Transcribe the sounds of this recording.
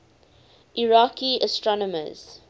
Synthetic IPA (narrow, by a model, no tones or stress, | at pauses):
ʔiɹakiəstɹɔnɔmə̰z̥